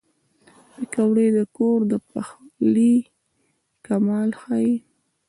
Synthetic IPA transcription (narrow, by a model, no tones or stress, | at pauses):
pekawɽed̪əkoɾd̪əpaxli | kamɑlxaji